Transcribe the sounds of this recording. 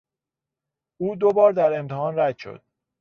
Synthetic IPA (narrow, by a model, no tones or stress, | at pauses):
uːd̪obɒːɾd̪æɾe̞mt̪ʰehɒːnɾæd̪ʃo̰d̪̥̚